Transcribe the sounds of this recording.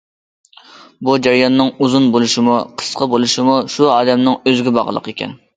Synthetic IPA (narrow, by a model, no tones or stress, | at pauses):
bud͡ʒæɾjɑnːɨŋuzunbolˠuʃimuqʰə̥sqʰɑbolˠuʃimuʃuɑːd̪ɛmnɨŋøzɡʲibɑʁəlˠə̰qekʲɛ̰n